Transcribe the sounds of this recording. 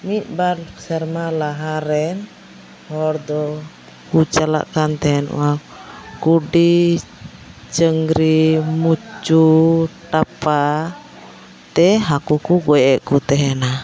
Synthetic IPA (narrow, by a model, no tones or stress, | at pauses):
mit̪̚ˀbaɾsəɾmalaɦaɾɛn | hɔɾd̪ɔ | kut͡ʃala̰ʔkant̪ɛɛn̰wa | kuɖi | t͡ʃəŋɡɾimut͡ʃuʈapa | t̪ɛɦakukuɡɔjɛʔkut̪ɛɦɛna